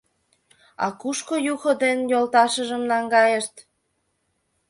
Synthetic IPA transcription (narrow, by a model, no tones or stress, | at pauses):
ɑ̰kuʃkojuxŏd̪enjolt̪ɑʃəʒəmnɑŋɡɑjeʃt̪